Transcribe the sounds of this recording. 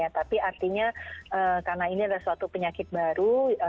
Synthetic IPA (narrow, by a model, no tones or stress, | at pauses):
at̪apiart̪iɲaəːkarənainiadalasuat̪upəɲakɪt̪̚baɾu